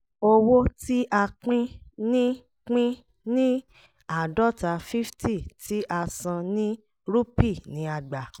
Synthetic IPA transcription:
o˧wo˦ti˦ʔa˧k͡pĩ˦nĩ˦ | k͡pĩ˦ | nĩ˦ | a˦˨dɔ˦ta˧˨fi˦fti˦˨ti˦ʔa˧sã˧nĩ˦ | ɾu˦pi˦˨nĩ˨˦a˧ɡ͡ba˨

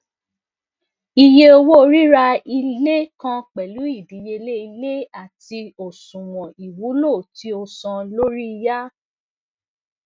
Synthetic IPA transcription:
i˧je˧o˧wo˦o˧ɾi˦ɾa˧i˧le˦kã˧k͡pɛ˨lu˨˦i˦˨di˨˦je˧le˦i˧le˦a˦˨ti˧o˨sũ˨w̃ɔ̃˨i˨wu˨˦lo˦˨ti˦o˧sã˧lo˦ɾi˦i˧ja˦

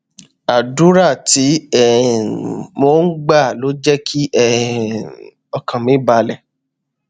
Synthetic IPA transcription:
a˨du˨˦ɾa˦˨ti˨˦ɛ˦˨ | mo˨˦n̩˦ɡ͡ba˦˨lo˨˦d͡ʒɛ˦kʰi˦ɛ˦˧ | ɔ˧kʰã˨mĩ˨˦ba˧lɛ˨

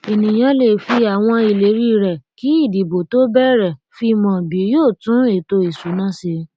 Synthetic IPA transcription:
e˨nĩ˨j̃ã˨˧le˨fi˧a˨w̃ɔ̃˧i˨le˨˦ɾi˦ɾɛ˨ki˨˦i˦˨di˨bo˨to˦bɛ˦ɾɛ˨ | fi˧mɔ̃˨bi˨˦joː˦˨tũ˨˦e˨to˧i˨su˨˦nã˦˨se˧

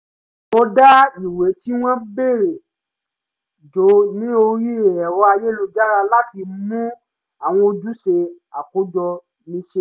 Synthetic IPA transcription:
ɔ˧da˦i˨we˨˦ti˦w̃ɔ̃˦be˦˨ɾe˨ | d͡ʒo˨˦nĩ˦o˧ɾi˦e˨ɛ˨wɔ˧˦a˧je˦˨lu˧d͡ʒa˦ɾa˧la˦ti˧mũ˦ | a˦˨w̃ɔ̃˧o˧d͡ʒu˦ʃe˧ | a˨ko˨˦d͡ʒɔ˧ | nĩ˨˦ʃe˧˦

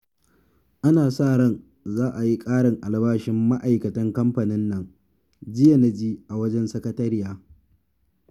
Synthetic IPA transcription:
ʔa˦naː˨saː˦˨ɽɐ˦n | zaː˦ʔa˨ji˦kʼaː˦ɽɪ˨ŋʔa˨lbaː˦ʃɪ˦mːa˦ʔa˨jkɐ˨tɐ˦ŋkɐ˦mɸa˨nɪ˦nːɐ˨ŋ | d͡ʒɪ˦ja˨na˦˨d͡ʒiː˦ʔa˨wɐ˦d͡ʒɛ˦nsɐ˦kɐ˦tɐ˦ɾɪ˦jaː˦

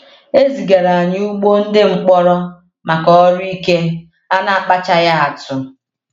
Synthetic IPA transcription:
e˦zi˨ɡa˨ɾa˨a˨ɲɪ˦u˦ɡ͡bo˦n̩˦dɪ˦ŋ͡m̩˨k͡pɔ˦ɾɔ˦ | ma˨kɔ˨˦ɔ˦ɾi˦ke˦ | a˦na˨a˨k͡pa˦t͡ʃa˦ja˦a˨tʊ˨

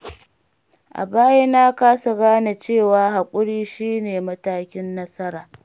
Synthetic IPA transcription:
ʔa̰˨baː˦ja˦naː˦kaː˦su˨ɡaː˦na˨t͡ʃeː˦˨waː˨ɦa˨kʷʼʊ˦ɽiː˦ʃiː˦neː˨mɐ˦taː˦kʲɪ˦nːɐ˦sɐ˦ɾaː˨

